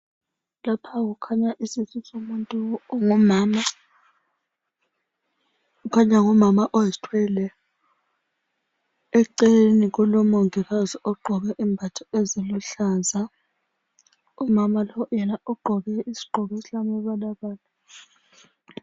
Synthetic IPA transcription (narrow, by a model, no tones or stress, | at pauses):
lapʰaɣ̬ukʰaɲaʔisizʼisomuntʼuŋmama | ukʰaɲaŋɔmamaʔojiztʰwɛlɛ | ɛǃenik̬ɔlɔmoŋiɣaziʔɔɡ͡ǃʱɔɓɛʔimbʱatʰɔeziluɬaza | ɔmamalɔwjɛnaʔɔɡ͡ǃʱɔɓɛisi̥ɡ͡ǃʱɔβisilamɛɓalaɓaːla